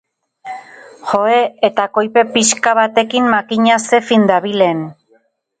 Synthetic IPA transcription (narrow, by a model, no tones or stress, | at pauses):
xo̞e̞et̪ako̞jpe̞piskaβat̪e̞kimmakiɲase̞find̪aβile̞n